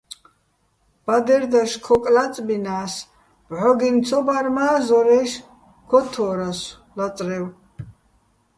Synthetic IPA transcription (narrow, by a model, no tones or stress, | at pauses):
b̥ad̪ɛɾd̪aʃkʰɔkʼlat͡sʼbinaːs | b̥ʕɔɡint͡sʰɔbaɾmaːzɔɾɛʃ | kʰɔt̪ʰɔːɾas | lat͡sʼɾɛw